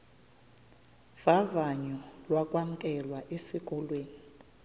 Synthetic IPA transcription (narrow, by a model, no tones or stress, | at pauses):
v̥avaɲɔlwakʼwam̩kʼɛlwaʔesik̬ʼɔlweːni